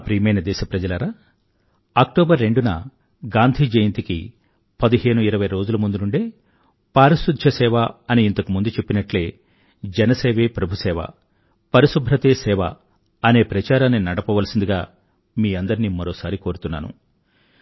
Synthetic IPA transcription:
pɾiːmɐjnɐd̪ɛːʃɐpɾɐd͡ʒɐlɐɾaː | ɐk̚ʈɔːbɐɾːe̞ɳɖunɐ̰ | ɡaːnd̪ʱiːd͡ʒɐjint̪ikḭ | pɐd̪iɦe̞ːnuiɾɐʋɐjɾo̞ːd͡ʒulɐmund̪unuɳɖe̞ː | paːɾisud̪ʱɐsɛːʋaɐniːnt̪ɐkumund̪ut͡ʃe̞pːinɐʈle̞ː | d͡ʒɛnɐseːʋe̞ːpɾɐbʱusɛːʋɐ̰ | pɐɾisubʱɾɐt̪eːsɛːʋɐ̰ | ɐne̞ːpɾɐt͡ʃaːɾaːnːinɐɽɐpɐʋɐlɐsind̪iɡaː | miːɐnd̪ɐɾniːmɐɾoːsaːɾiko̞ːɾut̪unːa̰ːnṵ

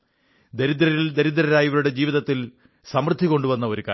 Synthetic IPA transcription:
d̪eɾid̪ɾɐɾild̪eɾid̪ɾɐɾaːjiʋɐɾuɽe̞d͡ʑiːʋiðɐt̪ːil | sɐmrd̪ʱːiko̞ɳɖuʋɐnːɐo̞ɾuka̰ː

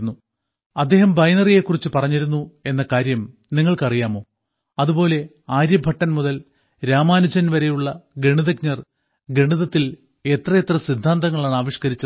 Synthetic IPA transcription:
nːu | ɐd̪ːe̞ːɦɐmbɐjnɐrije̞kːurit͡ɕːɨpɐrɐɲːiɾunːue̞nːɐkaːɾjɐmniŋːɐɭkɐrijaːmo̞ː | ɐðubo̞ːle̞ | aːɾjɐbʱɐʈːɐnmuðɐl | ɾaːmaːnud͡ʑɐnʋɐɾe̞juɭːɐɡɾeɳiðɐk̚ɲɐr | ɡɾeɳiðɐt̪ːil | e̞t̪rɐet̪rɐsid̪ʱːaːnd̪ɐŋːɐɭaːɳaːʋiʂkɐɾit͡ɕːɐ

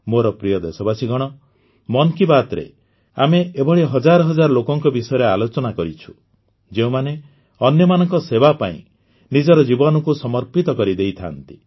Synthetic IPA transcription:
moɾɔpɾijɔd̪esɔbasiɡɔɽ̃ɔ | mɔnkibat̪ɾḛ | a̰meebɔɽiɦɔd͡ʒaɾɔɦɔd͡ʒaɾɔlokɔŋkɔbisɔjɔɾealot͡ʃɔnakɔɾit͡ʃʰu̥ | d͡ʒeũmane | ɔnjɔmanɔŋkɔsebapa̰ḭ̃ | nid͡ʒɔɾɔd͡ʒibɔnɔkusɔmɔɾpit̪ɔkɔɾid̪ejt̪ʰa̰nt̪i̥

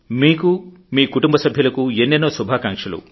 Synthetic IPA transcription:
miːku | miːkuʈumbɐsɐbʱjɐlɐkuenːenːoːsubʱaːkaːŋkʂɐlṵ

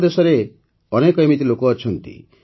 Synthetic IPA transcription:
d̪esɔɾe | ɔnekɔimit̪ilokɔːt͡ʃʰɔnt̪ḭ

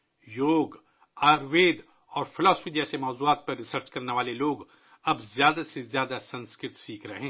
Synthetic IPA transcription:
joːɡ | aːɾʋeːd̪ | ɔːɾpʰɪlɔːsəpʰid͡ʒɛːsemɔːzuaːt̪̚pɐɾːɪsəɾt͡ʃkɐɾneʋaːleloːɡ | ɐbzjaːd̪asezjaːd̪asɐ̃nskɾɪt̪siːkʰɾɐɦẽː

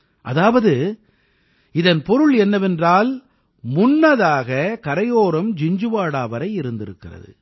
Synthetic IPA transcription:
ʔɐðaːʋɐðɯ | ɪðɐnpɔɾɯɭɛnːɐʋɛndraːl | mʊnːɐðaːɣɐkɐɾɐjoːɾɯmd͡ʒɪɲd͡ʒɯʋaːɽaːʋɐɾɐɪɪɾɯnd̪ɪɾɯkːɪrɐ̰ðɯ̰

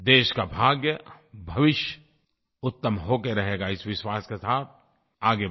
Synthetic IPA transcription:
d̪eːʃkabʱaːɡjə | bʱɐʋɪʃjə | ʊt̪ːəmɦoːkeɾɐɦeːɡaɪsʋɪʃwaːskesaːt̪̚ʰ | aːɡe

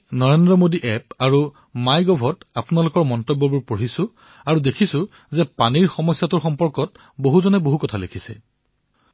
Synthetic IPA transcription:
nɔɹendɹɔmodiʔɛp̚aɹu | majɡɔbʱɔtapʊnalʊkɔɹmɔntɔbːɔbuɹpoɹisʊ̃ | aɹudekʰisʊ̃ | zɛpaniɹxɔmɔsjatʊɹxɔmpɔɹkɔt | boɦuzɔnɛboɦukɔtʰalekʰisɛ̰

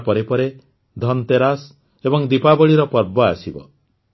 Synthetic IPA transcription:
pɔɾepɔɾe | d̪ʱɔnt̪eɾas | ebɔŋd̪ipabɔɭiɾɔpɔɾbɔasibɔ̰

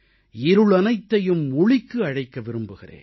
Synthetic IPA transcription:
ɪɾɯɭɐnɐɪt̪ːɐjɯmːʊɭɪkːɯɐɻɐɪkːɐʋɪɾɯmbɯɣɪrḛː

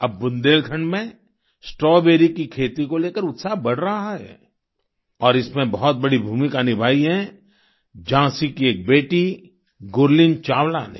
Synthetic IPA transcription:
ɐb̚ːʊ̃nd̪eːlt̪ʰə̃ɳɖmẽ | sʈɾɔːbeːɾikikʰeːt̪ikoleːkəɾʊt̪sabɐɽ̤ɾɐɦaɦɛ̰ː | ɔːɾɪsmẽbɐɦɔt̪̚bɐɽibʱuːmikaːnibʱaːiɦɛ̃ | d͡ʒãːsikieːk̚beːʈi | ɡoːɾlɪnt͡ʃaːwla̰ːnḛ

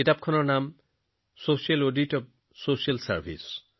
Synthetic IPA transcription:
itap̚kʰɔnɔɹnam | sosialoditɔb̚ | sosialsa̰ɹbʱḭs

